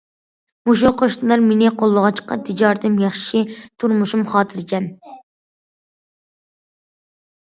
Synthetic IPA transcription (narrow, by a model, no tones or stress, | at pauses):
muʃ̬uqʰoʃt̪ɨlˠɑɾmenɪqʰolˠːəʁɑt͡ʃqɑ̰t̪ʰɪd͡ʒɑɾt̪ʰɨmjɑχʃit̪ʰuɾmuʃumχɑːt̪ʰɨɾd͡ʒʲɛm